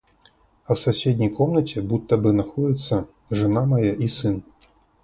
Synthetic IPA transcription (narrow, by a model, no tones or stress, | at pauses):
ɐwsasʲed̪ʲnʲɐjkɔmnɐt͡sʲɛbut̪ːɐbɨnaxɔd͡zʲit̪sːɐ | ʐɨnamajaʔisɨn